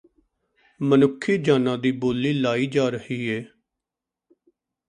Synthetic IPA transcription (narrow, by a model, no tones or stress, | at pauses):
mənʊkʰːiːd͡ʒaːnãːd̪iːboːlːiːlaːiːd͡ʒaːɾəhiːɦeː